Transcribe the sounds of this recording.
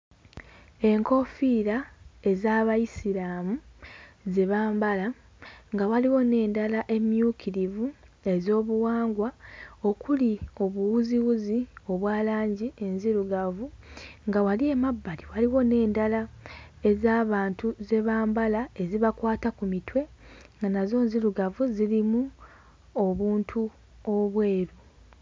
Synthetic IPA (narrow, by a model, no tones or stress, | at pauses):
e̞ŋko̞fiɾae̞zaːβajisilaːmuzeβaːmbala | ŋɡawaliwo̞ne̞ːndalaʔe̞mjuːkʰiɾivu | e̞zo̞ːβuwaːŋɡwao̞kulio̞βuwuziwuzio̞βwaːlaːɲɟie̞nziɾuɡavuŋɡawalie̞mabːaliwaliwo̞ne̞ːndalae̞zaːβaːntuze̞βaːmbalae̞ziβakwaːtakumitwe̞ŋɡanazo̞ːnziɾuɡavuzilimu | o̞βuːntʰu | oβwe̞ːɾu